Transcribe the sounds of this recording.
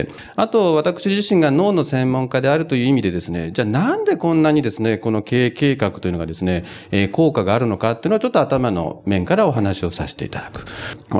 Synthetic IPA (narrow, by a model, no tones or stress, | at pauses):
at̪o̞βat̪akɯ̟̥ɕiʑiɕĩŋɡano̞ːno̞sẽ̞mːõ̞ŋkad̪e̞aɾɯ̟t̪o̞jɯ̟ːimʲid̪e̞d̪e̞sɨne̞̰d͡ʑaːnãnd̪e̞kõ̞nːaɲ̟id̪e̞sɨne̞ko̞no̞ke̞ːke̞ːkakɯ̥t̪o̞jɯ̟noɡad̪e̞sɨne̞ː | ko̞ːkaɡaːɾɯ̟no̞kat̪ːeɯnoot͡ɕot̪ːoat̪amano̞̰mẽ̞ŋkaɾao̞ɦanaɕio̞sa̰ɕi̥t̪e̞ḭt̪ad̪akɯ̟̥